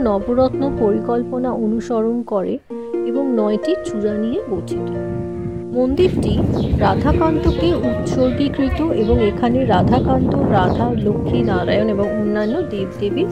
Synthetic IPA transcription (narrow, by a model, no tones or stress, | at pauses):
nɔboɾɔt̪nopoɾikɔlponaʔonuʃɔɾonkɔɾḛ | eboŋnɔeʈit͡ɕuɾanijeɡotʰit̪ | mond̪iɾʈiɾad̪ʱakant̪okeut̪ʃoɾbikɾit̪oʔeboŋekʰaneɾad̪ʱakant̪oɾad̪ʱaɾlokʰːinaɾa̰joneboŋonːanːod̪ebd̪ebi